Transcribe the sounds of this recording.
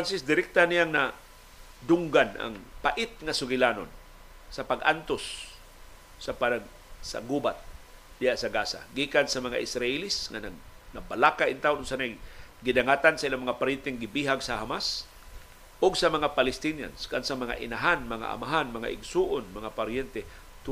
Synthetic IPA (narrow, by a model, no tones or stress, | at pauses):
ansɪsd̪ɪɾɪk̚t̪anijaŋna | d̪ʊŋɡanʔa̰ŋpaʔɪt̪̚ŋasʊɡɪlano̰n | sapaɡʔant̪os | apa | sa̰ɡubat̪̚d̪ɪjaʔsaɡaːsa̰ɡiːkansamaŋa̰ʔɪsɾaʔɪlɪsŋanaɡnabalakaʔint̪aʊnʊnsanajɡɪdaŋat̪ansaʔilaŋmɐŋapaɾjɛnt̪ɛŋaɡɪbiɦaɡsaɦamas | ʊɡsamɐŋapalɪst̪inja̰nskansamaŋa̰ʔɪnaɦanmɐŋa̰ʔa̰maɦanmɐŋa̰ʔɪɡsuʔʊnmɐŋapaɾjɛnt̪ɛ | t̪